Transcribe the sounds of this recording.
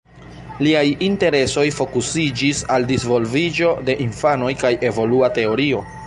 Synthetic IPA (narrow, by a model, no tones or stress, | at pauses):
liajinte̞ɾe̞so̞jfo̞kusid͡ʒisaldisvo̞lvid͡ʒo̞de̞ʔinfano̞jkaje̞vo̞luate̞o̞ɾio̞